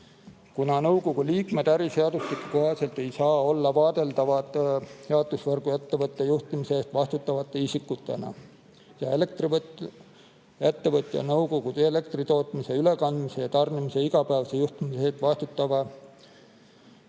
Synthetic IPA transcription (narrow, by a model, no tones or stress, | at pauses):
kunɑnɤwko̞ɡ̥uliːkme̞d̪̥æɾise̞ɑd̪̥uslikːuko̞ɦɑse̞lt̪ːˑe̞jsɑːo̞lːɑvɑːd̪̥e̞ld̪ɑvɑt̪heɑd̪usvɤrɡ̥ujæt̪ːe̞vɤt̪ˑːejuht̪imiseeːst̪vɑst̪ut̪ːˑɑvɑt̪ːˑeisikːˑut̪ːˑe̞̰nɑ̰ | jɑelek̚t̪riv | æt̪ːe̞vɤt̪ːˑjɑ̰nɤwko̞ɡ̥ud̪̥eele̞k̚t̪rit̪o̞ːt̪ˑmise̞yle̞kɑnd̪̥mise̞jɑt̪ɑrnimise̞iɡɑpæːvɑse̞juht̪imiseeːst̪vɑst̪ut̪ːɑvɑ